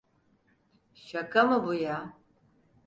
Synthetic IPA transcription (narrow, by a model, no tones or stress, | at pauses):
ʃakamɯbuja